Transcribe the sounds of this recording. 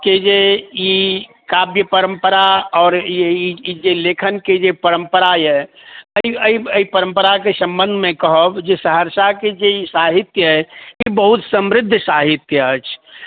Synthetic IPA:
ked͡ʒei | kabjəpəɾəmpəɾaɔːɾjeiid͡ʒelekʰənked͡ʒepəɾəmpəɾajɛ | əiəiəipəɾəmpəɾakesə̃mbənd̪ʱmẽkəɦəbd͡ʒesəɦəɾsaked͡ʒeisaɦit̪jəɦɛibəɦut̪səmɾɪd̪ʱːsaɦit̪jəət͡ʃʰ

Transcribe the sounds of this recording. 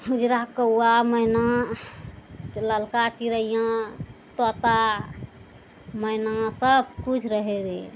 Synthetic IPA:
hud͡ʒɾakəwaməjna | ləlkat͡ʃiɾəjãt̪ɔt̪a | məjnasəbkut͡ʃʰɾəɦeɾe

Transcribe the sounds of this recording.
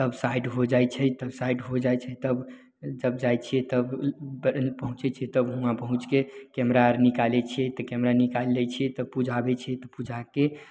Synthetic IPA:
t̪əbsaiɖɦod͡ʒajt͡ʃʰɛt̪əbsaiɖɦod͡ʒajt͡ʃʰɛt̪əb | d͡ʒəbd͡ʒajt͡ʃʰiɛt̪əbbpəɦũt͡ʃɛt͡ʃʰɛt̪əbɦũãpəɦũt͡ʃkekɛmɾaɾnikalet͡ʃʰiet̪əkɛmɾanikallɛt͡ʃʰiet̪əbpud͡ʒʱabet͡ʃʰɛt̪ɔpud͡ʒʱake

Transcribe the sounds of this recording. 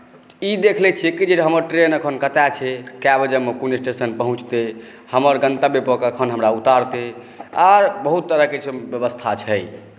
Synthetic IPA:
id̪ekʰlɛt͡ʃʰɛkid͡ʒeɦəməɾʈɾenəkʰənkət̪at͡ʃʰɛkabd͡ʒəmekunesʈesənpəɦũt͡ʃt̪e | həməɾɡə̃nt̪abepəkəkʰənɦəmɾaut̪aɾt̪e | aɾbəɦut̪ːəɾəɦket͡ʃʰebjəbəst̪ʰat͡ʃʰɛj

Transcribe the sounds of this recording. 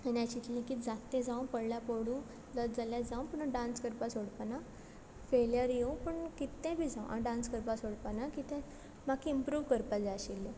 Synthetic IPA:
anat͡ɕit̪lẽkiːt̪d͡zat̪ːɛ̃d͡zãũpəɽljapoɽũː | ləd͡zaljad͡zaũpəɳəɖãnskəɾpasoɽpana | feljəɾjeũpəɳkit̪ːɛ̃bʱid͡zãũʔa̰ɖãnskəɾpasoɽpanakit̪ɛ̃ | makːiimpɾuːʋkəɾpad͡zaɕilːẽ

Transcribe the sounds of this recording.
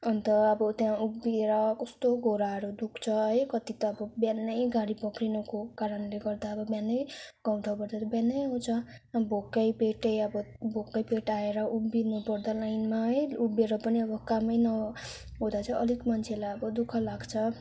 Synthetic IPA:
ʌnt̪ʌʌbʌt̪jãubeɾʌkʌst̪oɡʱoɾaɦʌɾud̪ukʰt͡sʰʌɦʌjkʌt̪it̪ʌːbʌbjanːʌjɡaɽipʌkrinʌkokaɾʌnleɡʌrd̪aʌbʌbjanːʌjɡ̥aw̃t̪ʰawpʌɾd̪at̪ʌbjanʌjɦũt͡sʰʌbʱokːʌjpeʈʌjʌbʌbʱokːʌjpeʈaeɾʌʔubːinupʌɾd̪alajnmaɦʌjubeɾʌpʌniʌbʌkamʌjnʌ | ɦod̪at͡sʰʌʔʌlikmʌnt͡sʰelajʌbʌd̪ukʰʌlaɡt͡sʰʌ

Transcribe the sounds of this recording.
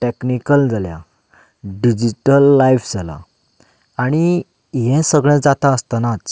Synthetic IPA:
ʈeknikəld͡zʱalja̰ | ɖid͡ʑiʈəlːaifd͡zʱala̰ | aɽ̃i | ɦɛ̃səɡɭɛ̃t͡sd͡zat̪ãəst̪anat͡s

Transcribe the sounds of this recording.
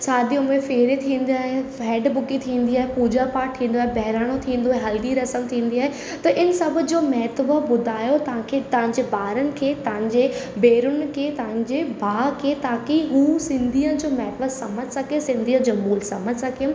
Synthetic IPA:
saːd̪ijõmẽfeːɾet̪ʰĩːn̆d̪iaːɦeɦɛːɖbʊkit̪ʰĩːnd̪iaːɦepuːd͡ʑapaːʈ̚ʈ̪ʰĩːnd̪oaːɦebɛɦɪɾaːɽ̃ot̪ʰĩːn̆d̪oaɦeɦɐld̪iɾɐsəmt̪ʰĩːnd̪iaːɦe | t̪ɐʔɪnsɐbʱʊ̆d͡ʑoːmɛɦt̪bəbʊd̪ʱaːjot̪ɐʋ̤ãkʰet̪ɐʋãɲd͡ʑebaːɾənɪ̆kʰeːt̪ɐʋ̤ãɲ̆d͡ʑebeːɾʊn̆kʰeːt̪ɐɦãɲd͡ʑebʱaːkʰeːt̪aːkiɦuːsɪ̃nd̪ʱiːə̃d͡ʑoːmɛɦt̪bəsɐməd͡ʑʱsɐkesɪ̃nd̪ʱiːə̃d͡ʑɐmuːlsɐməd͡ʑʱsɐkijʊm

